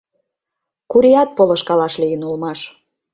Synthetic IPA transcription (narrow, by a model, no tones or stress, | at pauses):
kuɾiɑt̪̚polə̆ʃkɑlɑʃlijənulmɑʃ